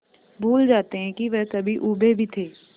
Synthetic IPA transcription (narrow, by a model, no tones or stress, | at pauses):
bʱuːld͡ʒaːt̪eɦɛ̃kiʋɛɦkɐbʱiʔuːbebʱit̪ʰeː